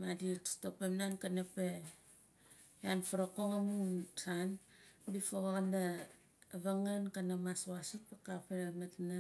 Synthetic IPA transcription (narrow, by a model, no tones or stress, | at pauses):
madittopemnankanape | janfuɾokoŋamunsanbifoɣona | βaŋankanamaswasut̚pakapemetna